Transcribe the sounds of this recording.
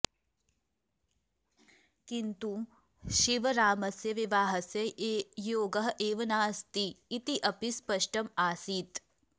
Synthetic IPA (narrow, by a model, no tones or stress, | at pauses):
kint̪u | ʃiʋɐɾaːmɐsjɐʋiʋaːɦɐsjɐʔeːjoːɡɐɦɐʔeːʋɐnaːst̪iːt̪iʔɐpispɐʃʈɐmaːsiːt̪